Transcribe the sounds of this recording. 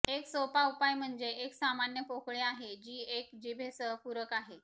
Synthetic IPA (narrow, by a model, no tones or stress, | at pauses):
eksopaupajm̤əɳd͡zeeksamanjəpokɭeaɦed͡ʑiːekd͡ʑibʱesəɦpuɾəkaɦe